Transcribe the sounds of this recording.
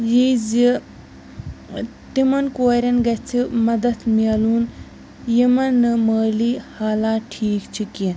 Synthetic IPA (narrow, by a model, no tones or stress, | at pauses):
jizi | t̪imɐnkoːɾɐnɡɐt͡sʰimɐd̪ɐt̪ʰmieluːn | jimɐnːɨməːlihaːlaːʈʰiːkt͡ʃʰiki